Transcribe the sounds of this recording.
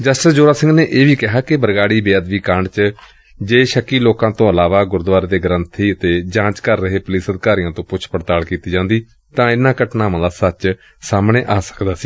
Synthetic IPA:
d͡ʒəsʈəsd͡ʒoːɾaːsɪ̃ŋɡneːʔeːʋiːkɪɦaːkɪbəɾɡaːɽiːbeːəd̪ʋiːkaɳɖt͡ʃ | d͡ʒeːʃəkːiːloːkãːt̪õːəlaːʋaːɡʊɾd̪ʊʋaːɾːd̪eːɡɾənt̪ʰiːət̪eːd͡ʒãːt͡ʃkəɾːəɦeːpʊliːsəd̪ɪkaːɾijãːt̪õːpʊt͡ʃʰpəɾt̪aːlkiːt̪iːd͡ʒãːnd̪iː | t̪ãːɪnːãːkəʈnaːʋãːd̪aːsət͡ʃ | saːmɳeːʔaːsə̥kd̪aːsiː

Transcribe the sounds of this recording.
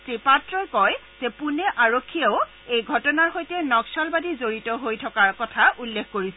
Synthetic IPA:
sepatɹɔjkɔj | z̥ɛpunɛʔaɹokʰːijeʊ | ejɡʱɔtɔnaɹxojtɛnɔksɔlbadizoɹitɔɦojtʰɔkaɹkɔtʰaʔulːekkoɹisɛ

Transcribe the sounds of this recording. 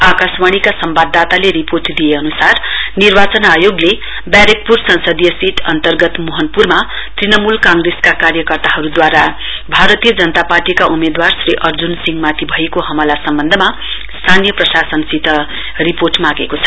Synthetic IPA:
akaswaɽ̃ikasʌmbad̪ːat̪aleɾiporʈd̪ijeʌnusarnirbat͡sʌnajoɡle | bjaɾek̚pursʌnsʌd̪ijʌsiʈʰʌnt̪ʌrɡʌt̪moɦʌnpurma | t̪rinʌmulkãŋɡreskakarjʌkʌrt̪aɦʌɾud̪waɾa | bʱaɾʌt̪ijʌd͡zʌnʌt̪aparʈikaʔumed̪warsriʔʌrd͡zunsiŋɡmat̪ʰibʱʌekoɦʌmʌlasʌmbʌnd̪ʱʌma | st̪ʰanijʌprʌsasʌnsit̪ʌ | riporʈmaɡekot͡sʰʌ̥

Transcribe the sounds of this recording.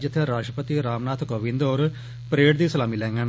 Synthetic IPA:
d͡ʒɪt̪ʰːeɾaːʃʈɾəpət̪iɾaːmnaːt̪ʰkoːʋɪ̃nd̪oːɾ | pəɾeːʈd̪iːsəlaːmiːlɛ̃ːŋɡən

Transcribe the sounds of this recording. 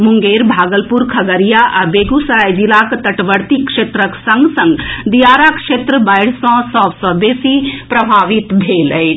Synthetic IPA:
muŋɡeɾbʱaːɡəlpuɾkʰɐɡəɾijaʔabeɡusəɾajd͡ʒilakt̪əʈʋəɾt̪ikʂeːt̪ɾəksə̃ŋɡsə̃ŋɡd̪ijaɾakʂet̪ɾəbajɽ̤sɔ̃sɔ̃ːʋsɔ̃b̪esipɾɐbʱaːʋit̪bʱelə

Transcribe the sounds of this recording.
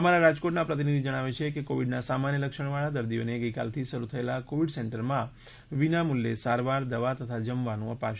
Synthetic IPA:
əmaɾaɾad͡ʒkoʈnapɾət̪inid̪ʱid͡ʒəɽ̃aʋet͡ʃʰekekoʋiɖnasamanjələkʃəɳ̃ʋaɭad̪əɾd̪ioneɡəjka̰lt̪ʰiʃəɾut̪ʰəelakoʋiɖsɛɳʈəɾmã | ʋinamulːesaɾʋaɾd̪əʋat̪ət̪ʰad͡ʒəmʋanũəpaʃ

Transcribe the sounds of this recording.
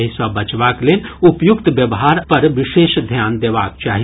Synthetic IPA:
ɦisabɐt͡ʃʋaːkleːnʊpjʊkt̪ʋjɐʋɦaːɾpɐɾʋɪʃeːʃd̪ʱjaːnd̪eːʋaːk̚t͡ʃaːɦi

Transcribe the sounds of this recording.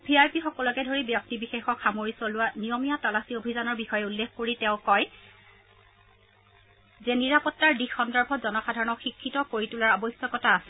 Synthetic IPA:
bʱiajpixɔkɔlɔkɛdʱoɹibjɔk̚tibixexɔkxamoɹisɔlʊwanijɔmijatalasiobʱizanɔɹbixɔjɛulːekkoɹitɛʊ̃kɔj | zɛniɹapɔtːaɹdixɔndɔɹbʱɔtzɔnɔxadʱaɹɔnɔxikʰːitɔkoɹitulaɹabɔjsjɔkɔtaːsɛ

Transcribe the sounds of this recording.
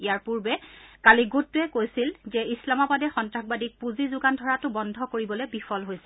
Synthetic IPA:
ijaɹpuɹbɛkaliɡutːʊɛkojsilzɛislamabadɛxɔntɹaxbadik̚puzizʊɡandʱɔɹatʊbɔndʱɔkoɹibɔlobifʰɔlɦojsɛ

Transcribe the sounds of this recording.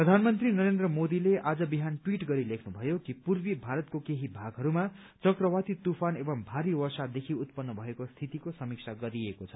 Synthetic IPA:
prʌd̪ʱanmʌnt̪rinʌɾend̪rʌmod̪ileʔad͡zʌbiɦanʈwiʈɡʌɾilekʰnubʱʌjokipurbibʱaɾʌt̪̚kokeɦibʱaɡɦʌɾuma | t͡sʌkrʌwat̪it̪upʰanebʌmbʱaɾiwʌrsad̪ekʰiut̪̚pʌnːʌbʱʌekost̪ʰit̪ikosʌmik̚sʰaɡʌɾiekot͡sʰʌ̥

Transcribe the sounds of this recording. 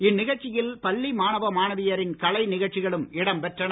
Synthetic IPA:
ɪnːɪɣɐɭt͡ʃːɪjɪlpɐlːimaːnɐʋɐmaːnɐʋɪjɐɾɪnkɐɭɐɪnɪɣɐɭt͡ʃːɪɣɐɭɯmɪɽɐmpɛʈrɐn

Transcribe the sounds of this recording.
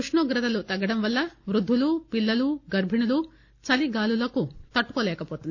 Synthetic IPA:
uʂɳoːɡɾɐt̪ɐlut̪ɐɡɐɽɐmʋɐlːɐʋɾud̪ʱːulupilːɐluɡɐɾbʱinulu | t͡ʃɐliɡaːlulɐkut̪ɐʈːu̥koːlɛːkɐpoːt̪und̪i

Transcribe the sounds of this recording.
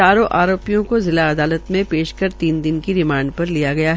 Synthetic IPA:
aːɾõʔaːɾoːpijõkozɪlaɐd̪aːlət̪mẽpeːʃkɐɾt̪iːnd̪ɪnkiɾɪmãːɳɖpɐɾlijaɡɐjaɦɛ

